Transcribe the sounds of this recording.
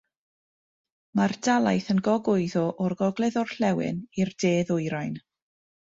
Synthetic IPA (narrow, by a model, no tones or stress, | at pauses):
mardalˠajθənɡɔɡʊɨðɔʔɔrɡɔɡlˠɛðɔr̥ɬɛwɪ̰nirdeːðʊjɾajn